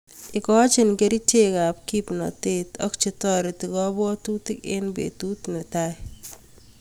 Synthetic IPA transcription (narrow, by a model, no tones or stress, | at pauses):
ɪkɔt͡ʃɪnkeɾitekap̚kipnɔ̰tetɔ̰kt͡ʃitɔɾitɪkɔbɔtutɪkḛnbḛtutnɪtaj